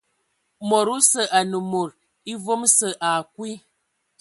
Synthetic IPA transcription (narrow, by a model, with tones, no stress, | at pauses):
mo˨ɾu˦sə˨ʔa˨nə˨mo˨ɾ | i˦vo˦msə˨ʔa˨kwi˦